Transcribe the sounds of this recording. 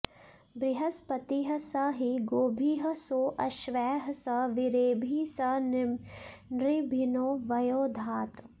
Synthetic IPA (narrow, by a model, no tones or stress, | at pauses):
bɾɪɦɐspɐt̪iɦɐsɐɦiɡoːbʱiɦɐsoːʔɐʃʋɛːɦɐsɐʋɪɾeːbʱisɐn | nɾɪbʱɪnoːʋɐjoːd̪ʱaːt̪